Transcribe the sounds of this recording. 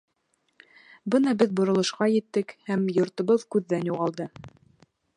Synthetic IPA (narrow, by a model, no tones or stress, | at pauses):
bɤnɑbɘðbŏɾŏlˠɤ̆ʃqɑjɘ̆t̪ːɘkhæmjŏɾt̪ŏβɤðkʉðːænjuʁɑlˠd̪ɤ